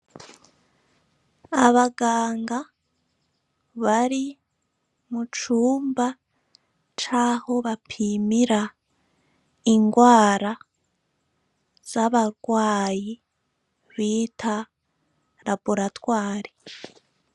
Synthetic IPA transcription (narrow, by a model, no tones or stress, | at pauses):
aβaɡaːŋɡa | βaɾi | mut͡ʃuːmba | t͡ʃaːho̞βapʰimiɾa | iŋɡwaːɾa | z̥aβaɾɡwaːji | βiːtʰa | ɾabuɾatwaːɾi